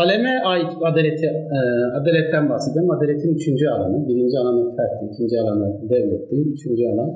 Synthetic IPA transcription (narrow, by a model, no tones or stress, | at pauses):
alʲemɛʔajad̪elʲet̪ʰiad̪elʲɛt̪ːænbahset̪ʰʲjaɾmad̪elʲet̪ʰinyt͡ʃʰynd͡ʒyalˠa̰nɯbiɾind͡ʒialˠanɯt̪ʰæɾt̪ːiycʲʰind͡ʒialˠanad̪ɛvlʲɛt̪ʰːimyt͡ʃʰynd͡ʒyalˠan